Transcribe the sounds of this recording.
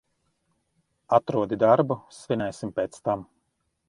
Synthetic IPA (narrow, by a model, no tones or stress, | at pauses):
at̪ɾuɔd̪id̪aɾbusvʲinʲɛjsimpeːt̪st̪am